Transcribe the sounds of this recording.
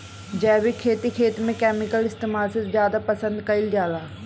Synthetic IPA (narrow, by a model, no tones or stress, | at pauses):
d͡ʒɛːbikʰeːt̪ikʰeːt̪mẽkɛːmɪkəlɪst̪eːmaːlsezjaːd̪apɐsə̃nd̪kɐɪld͡ʒjaːlaː